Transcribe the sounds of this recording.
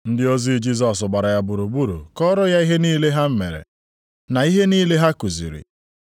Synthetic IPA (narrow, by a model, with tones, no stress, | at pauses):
n̩˦dɪ˦o˦zi˦d͡ʒi˦zɔ˨sʊ˨ɡ͡ba˨ɾa˨ja˦bu˨ɾu˨ɡ͡bu˦ɾṵ˨kɔ˦ɾʊ˦ja˦i˦ɦe˦niː˦le˦ɦa˦m̩˦mḛ˨ɾḛ˨ | na˨i˦ɦe˦niː˦le˦ɦa˦ku˨zḭ˨ɾḭ˨